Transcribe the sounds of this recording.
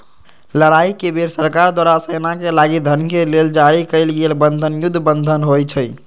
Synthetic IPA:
ləɽaikebeɾsəɾkaɾd̪waɾasəjnakelaɡid̪ʱənkeleld͡ʒaɽikəɪlɡelbənd̪ʱənjud̪ʱːbənd̪ʱənɦojt͡ʃʰəj

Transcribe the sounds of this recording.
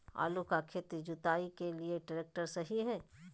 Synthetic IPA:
a̰ːlukakʰet̪d͡ʒʊt̪aːikelieɖəɾeːk̚ʈəɾsɐɦiɦɛː

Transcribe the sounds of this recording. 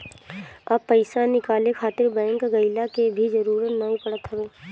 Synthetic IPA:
ɐbpːəɪsanɪkaːlekʰaːt̪ɪɾbɛ̃ːŋkɡɐɪlakebʱid͡ʒɐɾuːɾət̪naɦĩpɐɽət̪ɦɐʋeː

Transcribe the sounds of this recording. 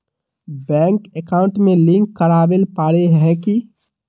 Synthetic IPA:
bɛ̃ːŋkekaːʊ̃ɳʈmẽlɪ̃ŋkːəɾaːbelpaːɾeɦɛ̃ki

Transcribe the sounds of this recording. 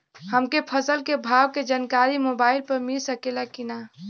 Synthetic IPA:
həmkepʰəsəlkebʱaːwked͡ʒankaɾimobaːɪlpəɾmilsəkelakina

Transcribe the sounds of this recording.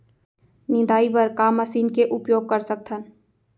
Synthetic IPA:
nɪ̃d̪aːipəɾkaːməsiːnkeʔʊpjoːɡ̚kəɾsək̚t̪ʰən

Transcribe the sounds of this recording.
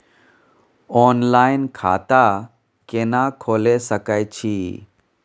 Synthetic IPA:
ɔːnlaːinkʰa̰ːt̪a | kenakʰoːlesəkət͡ʃʰiː

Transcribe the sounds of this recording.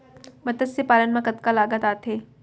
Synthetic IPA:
mɐt̪əsjepaːlənmãkət̪kalaːɡət̪aːt̪ʰeː

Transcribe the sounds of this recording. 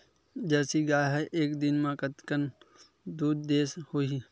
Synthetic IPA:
d͡ʒɛːsiɡaːɦɛʔeːkd̪ɪnmãkət̪kən | d̪uːd̪ːeːshoi

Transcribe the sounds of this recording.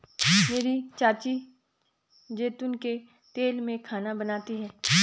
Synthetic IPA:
meːɾit͡ʃaːt͡ʃi | d͡ʒeːt̪ʊnke | t̪eːlmẽkʰaːnabɐnaːt̪iɦɛː

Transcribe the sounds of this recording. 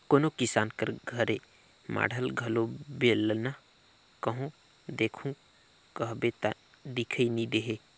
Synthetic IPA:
koːnokɪsaːnkəɾɡʱəɾe | mʔa̰ːɽ̤ʱəlɡʱɐlobeːlna | kəɦõ | d̪eːkʰũ | kəɦbet̪a | d̪ɪkʰəinĩd̪eɦeː

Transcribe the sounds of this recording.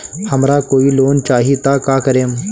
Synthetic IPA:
hɐmɾakoːiloːnt͡ʃaːɦit̪akaːkɐɾeːm

